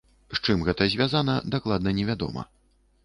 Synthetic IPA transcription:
ʂt͡ʂɨmɣɛt̪ɐzʲvʲazanɐd̪aklˠad̪̚nɐnʲɛvʲad̪ɔ̰mɐ̰

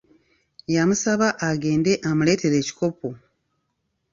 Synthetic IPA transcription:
jamusaβaʔaɡe̞ːnde̞ʔamule̞ːte̞ɾe̞ːci̥ko̞po

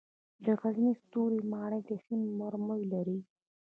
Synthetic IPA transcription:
d̪əɣaznist̪uɾimɑɳəjd̪esimmaɾmojlaɾi

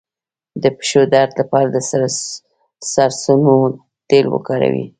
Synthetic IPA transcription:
d̪əpɪ̥ʃod̪aɾd̪lapɑɾad̪ə | saɾsuno | t̪elwə̰kɑɾa̰wḭ

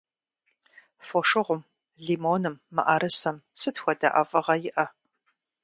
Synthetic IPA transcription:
foʂɨʁʷʊm | ɮiːmoːnɨmːɨ̰ʔɐɾɨsɐmsɨtxʷɔda̰ʔɐvɨʁɐjɪʔɐ

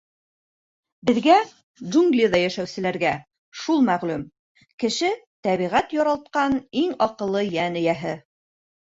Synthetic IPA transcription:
bɘ̆ðɡæ | d͡ʒuŋɡlʲiðɑjæʃæwsɘ̆læɾɡæ | ʃulˠmæʁlʉm | kɘ̆ʃɘt̪æβiʁæt̪jɑɾɑlˠt̪̚qɑniŋɑqɤ̆lˠːɤjænɘ̆jæɦɘ

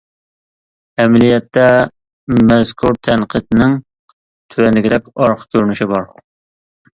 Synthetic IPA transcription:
ɛmlijɛt̪ʰːɛ | mɛzkʰuɾt̪ʰɛnqʰɨd̪nɪŋ | t̪ʰywɛnɪɡʲiɾɛkʲɑɾqʰkʲʰøɾnyʃibɑɾ

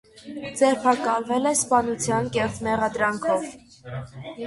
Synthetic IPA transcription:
d͡zɛɾpʰɑkɑlvɛlɛspɑnut͡sʰjɑnkɛχt̪mɛʁɑd̪ɾɑŋkʰɔv

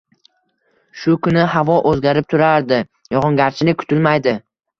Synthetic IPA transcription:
ʃʊkʰʊnɪhavɒʔɵzɡʲaɾɪp̚t̪ʰʊɾaɾd̪ɪ | jɒʁɒŋɡʲaɾt͡ʃʰɪnɪkʰʊ̥t̪ɪlmajd̪ɪ

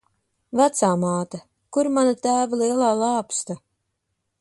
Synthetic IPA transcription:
væt̪saːmaːt̪a | kuɾmanat̪æːvalˠiɛlˠaːlˠaːpst̪a

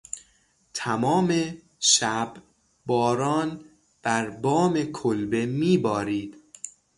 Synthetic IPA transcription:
t̪ʰæmɒːme | ʃæb | bɒːɾɒːn | b̥æɾbɒːmekʰolbe̞miːbɒːɾiːd̪̥

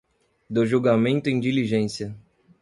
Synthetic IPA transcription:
d̪ʊʒuwɡamẽnt̪ʊĩd͡ʒiliʒẽsiɐ

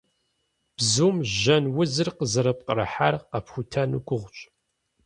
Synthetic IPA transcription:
b̥zuːmʒɐnwʊzɨrqəzɨɾɐp̚qəɾɐ̰ħa̰rqɐpxʷʊtʰɐnṵkʷʼʊʁʷɕʼ

